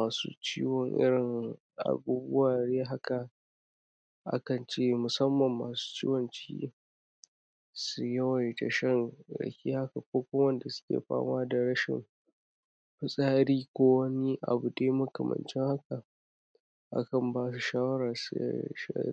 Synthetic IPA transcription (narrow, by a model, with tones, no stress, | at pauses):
aː˨sṵː˦t͡ʃiː˦wɔ˨ŋʔɪ̰˦ɽɪ˨ŋ | ʔa̰˨buː˦bʊ̰˦waː˨ɽeː˦ɦa˦ka˨ | ʔa̰˦kɐ˨nt͡ʃeː˦˨mʊ˨sɐ˦mːɐ˨mːaː˨su̥ː˦t͡ʃḭː˦wɔ˨nt͡ʃḭː˦ | su˨jɐ˦wɐ˨jta˨ʃɐ˦nɽɐ̰˨kʲiː˦ha˦ka˨kʷoː˦kʷʊ˦wɐ˦nda˨sʊ̥˦kʲḛː˨ɸa̰ː˦maː˦da˨ɽɐ˦ʃɪ̰˨m | ɸɪ˦sʼaː˦ɽiː˦kʷoː˦wɐ˦ni˦ʔa̰˨bu˨deː˦mʊ˦kɐ˨mɐ̰˨nt͡ʃɪ˦ŋha˦ka˨ | ʔa̰˦kɐ˨mbaː˦s̬u˨ʃaː˦wɐ˦ɾaː˨sṵ˦ʃa̰˦